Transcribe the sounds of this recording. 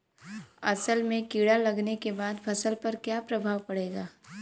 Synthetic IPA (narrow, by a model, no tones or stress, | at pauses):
ɐsəlmẽkiːɽalɐɡnekebaːd̪pʰɐsəlpɐɾkjaːpɾɐbʱaːʋpɐɽeːɡaː